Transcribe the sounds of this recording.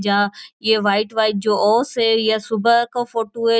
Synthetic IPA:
d͡ʑãːɪɦeʋaːɪʈʋaːɪʈ̚d͡ʑoːʔɔːseɪjasʊbʱəkõfoːʈoɦe

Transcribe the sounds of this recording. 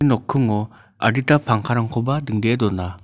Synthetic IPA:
nɔkʰːɯŋɔ | a̰ɾitapʰaŋkʰaɾaŋkʰobadɯŋdedɔna

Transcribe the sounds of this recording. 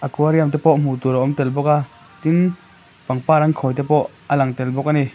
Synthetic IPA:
ʔakuaɾiamt̪ɛpɔʔm̥ut̪uɾaʔɔmt̪ɛlbɔka | t̪in | paŋpaːɾaŋkʰɔjt̪ɛpɔʔ | ɐlaŋt̪ɛlbɔkani

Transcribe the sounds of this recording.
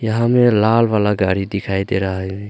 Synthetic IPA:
jəɦãmelalʋalaɡaɽid̪ikʰajd̪eɾaɦɛẽ

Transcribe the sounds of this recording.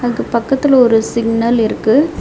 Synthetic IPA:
ɐkɐpɐkːɐt̪ːɪlɔɾɯsɪɡnɐlɪɾɯkːɯ

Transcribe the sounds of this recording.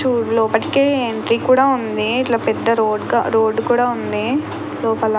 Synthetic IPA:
uːlɔːpɐʈi̥keːeɳʈɾiːkuːɽaːund̪iːʈlaːpɛd̪ːɐɾoːɖɡa̰ɾoːɖkuːɽaːund̪i | lɔːpɐl

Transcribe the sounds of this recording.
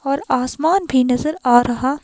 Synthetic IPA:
ɔːɾaːsmaːnbʱinɐzəɾaːɾɐɦaː

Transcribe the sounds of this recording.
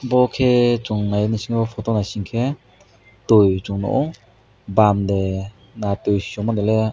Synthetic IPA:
bɔkʰet͡ʃuŋnajnisiŋbɔpʰɔtɔnasiŋkʰe | tojt͡ʃuŋnɔ̰ʔɔŋ | bamde | natojsi̥sɔmɔnele

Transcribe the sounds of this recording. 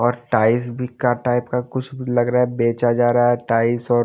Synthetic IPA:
ɔːɾʈaːɪsbʱikːaʈaːɪpkakʊt͡ʃʰbʱilɐɡɾaːɛbeːt͡ʃad͡ʒaːɾaaɛʈaːɪsɔː

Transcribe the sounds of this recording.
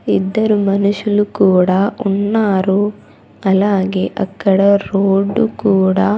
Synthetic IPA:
ḭd̪ːɐɾumɐnuʃɐlukuːɽɐunːaːɾu | ɐlːaːɡeʔɐkːɐɽɐɾoːɖːukuːɽɐ

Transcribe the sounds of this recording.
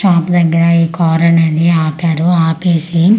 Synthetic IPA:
ʃaːpd̪ɐɡːɐɾɐiːkɔːɾɐnɐd̪iaːpaːɾuaːpeːsi

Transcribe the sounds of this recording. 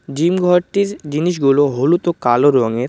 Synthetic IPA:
d͡ʑimɡʱɔɾʈiɾd͡ʑiniʃɡuloɦolut̪okaloɾɔŋeɾ

